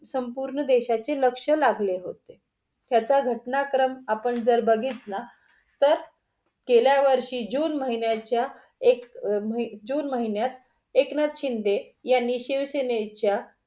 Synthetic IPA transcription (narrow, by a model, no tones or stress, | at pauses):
səmpuɾɳəd̪eɕat͡seləkʂəlaɡleɦot̪e | t̪jat͡saɡʱəʈnakɾəmapəɳd͡zəɾbəɡʱiːt̪na | t̪əɾ | keljaʋəɾʂiːd͡ʑuːnməɦinjat͡ɕja | ekməid͡ʑuːnməɦinjat̪̚ | eknat̪ɕind̪e | janːiɕiʋsenet͡ɕja